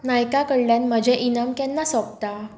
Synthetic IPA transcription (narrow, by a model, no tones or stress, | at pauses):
najkakəɽljãnməd͡ʑʱɛʔinamkɛnːasɔp̚t̪a